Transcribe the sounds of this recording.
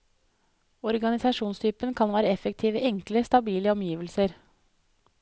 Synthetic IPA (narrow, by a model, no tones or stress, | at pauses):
ɔɾɡɑnɪsɑʂuːnst̪ʰyːpənkʰɑnʋæːɾəɛfək̚t̪ʰiːʋəʔɛŋkləst̪ɑbiːləɔmjiːʋəlsəɾ